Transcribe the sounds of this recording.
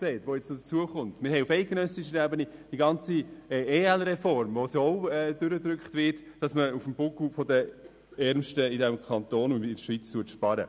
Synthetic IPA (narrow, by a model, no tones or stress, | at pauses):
sɛɪtʋojɛt͡snodət͡suəχʊntmɪɾɦɛɪufɛɪt̚ɡ̥ənœsiʃənɛbənid̥iɡɑnt͡sieːɛlɾɛfɔɾmvosoɔʊɛːd̥ʏɾədɾʏkχtvɪtd̥ɑsməufmbʊkufɔdə | ɛɾmʃtəidɛmkʰχɑntoːnunɪdʃʋiːt͡stuətʃpɑɾə̰